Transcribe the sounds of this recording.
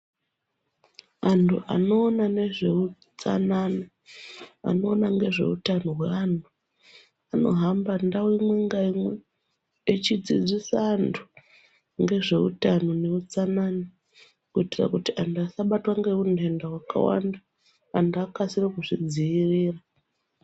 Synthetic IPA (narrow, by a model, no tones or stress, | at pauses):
antʰuʔa̰no̞ːnane̞ʐe̞u | t͡sa̰nana | a̰no̞ːnaŋɡe̞ʐe̞̰ṵtanoɦweantʰu | ano̞̰ɦambandawimweŋɡaimweː | t͡ʃid͡zḭd͡zisaːntʰu̥ | ŋɡe̞ʐe̞utanone̞ut͡sanana | kuitira̰kutiʔantʰuasaɓatwaŋɡe̞unʱe̞ndawaka̰wa̰ndaː | ntʰuakasirekuʐid͡ziːriːra